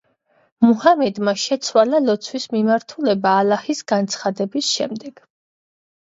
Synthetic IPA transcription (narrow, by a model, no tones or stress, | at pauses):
muhamɛd̪maʃɛt̪sʰwalalɔt̪sʰwismimaɾt̪ʰulɛbaːlahisɡant̪sʰχad̪ɛbisʃɛmd̪ɛɡ̥